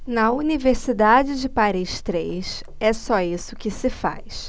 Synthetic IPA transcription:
nɐuniveɾsid̪ad͡ʒɪd͡ʒɪpaɾiʃt̪ɾejs | ɛsɔisʊkɪsɪfa̰js

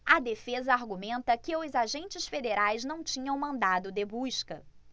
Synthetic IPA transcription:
ɐd̪efezɐaɾɡumẽnt̪ɐkɪʊzaʒẽnt͡ʃɪsfed̪eɾajznɐ̃w̃t͡ʃĩɲɐ̃w̃mɐ̃nd̪ad̪ʊd̪ɪbuʃkɐ

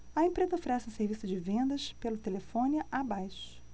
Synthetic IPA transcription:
ɐẽmpɾezɐofeɾɛsɪũseɾvisʊd͡ʒɪvẽnd̪ɐʃpelʊt̪elefõniɐʔabajʃʊ̥

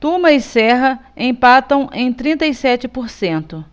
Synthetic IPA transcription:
t̪ũmɐisɛɦɐẽpat̪ɐ̃w̃ʔẽj̃t̪ɾĩnt̪ɐjsɛt͡ʃɪpoɾsẽnt̪ʊ

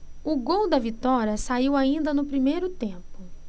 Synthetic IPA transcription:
ʊɡowd̪ɐvit̪ɔɾiɐsaiwaĩnd̪ɐnʊpɾimejɾʊt̪ẽpʊ

